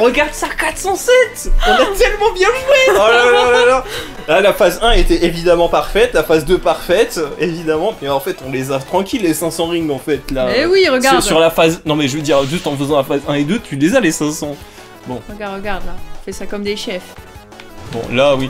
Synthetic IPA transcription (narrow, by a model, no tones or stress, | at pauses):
ʁəɡaʁd̪sakat̪χsɑ̃sɛt̪ɔ̃nat̪ɛlmɑ̃bjɛ̃ʒwɛalalaala | lalafazɛ̃et̪ɛʔevid̪amɑ̃paʁfɛt̪lafazd̪øpaʁfɛt̪evid̪amɑ̃mɛɑ̃fɛt̪ɔ̃lezat̪χɑ̃kʲilːesɛ̃sɑ̃ʁiŋɡɑ̃fɛt̪lawiʁəɡsaaʁsyʁlafaznɔ̃mɛʒəvəd̪iʁʒyst̪ɑ̃fəzɑ̃lafazɛ̃ed̪øt̪ʰylezalesɛ̃sɑ̃ | bɔ̃ʁəɡaʁəɡaʁd̪laɔ̃fɛsakɔmd̪eʃɛf | bɔ̰̃lawi